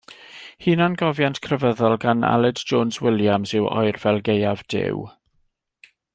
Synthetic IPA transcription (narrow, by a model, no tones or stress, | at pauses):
hiːnanɡɔvjantkʰrəvəðɔlˠɡana̰lˠɪdd͡ʒoːnzwɪljamzɪwɔ̰ɨrvɛlˠɡejavd̥ɪ̰w